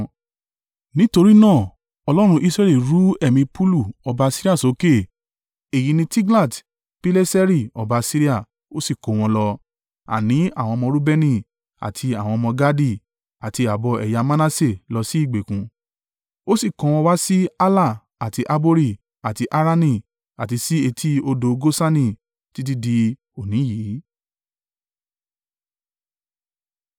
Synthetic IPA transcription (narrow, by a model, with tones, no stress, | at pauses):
nĩ˦to˧ɾi˦nãː˦˨ | ɔ˧lɔ˦ɾ̃ũ˧ʔi˦sɾɛ˦li˦˨ɾu˨˦ɛ˦˨mĩ˧pu˦lu˦˨ɔ˧ba˧si˦ɾi˦a˦˨so˨˦ke˦˨ | e˨ji˨˧nĩ˧ti˦ɡla˦˨t | pi˦le˦sɛ˦ɾi˦˨ɔ˨ba˨˧si˦ɾi˦a˦˨ | o˦si˦˨ko˨˦˨w̃ɔ̃˧lɔ˧ | a̰˨nĩ˨˦a˦˨w̃ɔ̃˧mɔ̃˧ɾu˦bɛ˦nĩ˦˨ | a̰˨tʰi˧a˨w̃ɔ̃˧mɔ̃˧ɡa˦di˦˨ | a˨ti˧a˨bɔ˧ɛ˨ja˧mã˦nã˦se˦˨lɔ˧si˦i˦˨ɡ͡be˨kũ˨ | o˦si˦˨kɔ̃˨˦w̃ɔ̃˧wa˦si˦a˦la˦˨ | a˨ti˧ʔa˦bo˦ɾi˦˨ | a˨ti˧ʔa˦ɾa˦nĩ˧˨ | a˨ti˧si˦e˧tʰi˦o˧do˧ɡo˦sa˦nĩ˦˨ | ti˦t̬i˦di˧ | o˨nĩ˨˦jiː˨˦